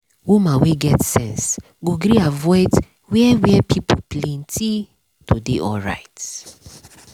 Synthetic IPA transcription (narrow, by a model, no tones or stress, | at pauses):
wumãweɡɛtsɛ̃ns | ɡoɡɾiavɔɪt | wiɛwɛpʰipʰoplẽntʰi | tʰudeʔɔɹa̰ɪt